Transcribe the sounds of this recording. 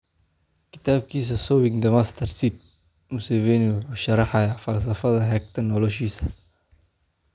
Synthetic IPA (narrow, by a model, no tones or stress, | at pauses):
kɪ̥t̪aːb̚kʰiːs̬ɐsɔːwɪŋd̪ɐmast̪ʰɐɾsit̪̚ | mʊseːvɛːniwħʊʃɐrɑħɐjafɐls̬ɐfɐðɐɦɛk̚t̪ʰɐnɔlɔʃiːsɐ̥